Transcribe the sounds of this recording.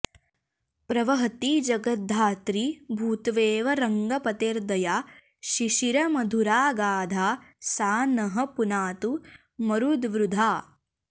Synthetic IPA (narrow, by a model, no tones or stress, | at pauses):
pɾɐʋɐɦɐt̪id͡ʒɐɡɐt̪̚d̪ʱːaːt̪ɾibʱuːt̪ʋeːʋɐɾɐŋɡɐpɐt̪eːɾd̪ɐjaː | ʃiʃiɾɐmɐd̪ʱuɾaːɡaːd̪ʱaːsaːnɐɦɐ̆punaːt̪u | mɐɾud̪ʋɾud̪ʱaː